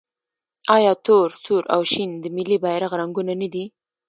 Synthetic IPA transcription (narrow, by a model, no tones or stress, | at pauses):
ɑjɑt̪oɾsuɾʔa̰wʃind̪əmɪlibajɾaɣɾaŋɡunanad̪i